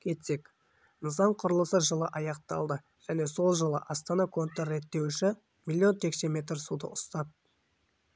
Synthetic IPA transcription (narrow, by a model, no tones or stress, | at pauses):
kʲʰe̞t̪se̞k | nəzɑɴqʰʊɾəlˠəsəʒəlˠəʔɑjɑq̚t̪ɑ̰lˠd̪ə | ʒ̥æne̞so̞lˠʒəlˠə̰ʔɑst̪ɑnɑkʰo̞nt̪rːe̞t̪ːe̞wɪʃɪ | mʲilʲˠːijo̞nt̪ʰe̞kse̞mʲe̞t̪rsud̪ə̰ʔʊst̪ɑd̪̚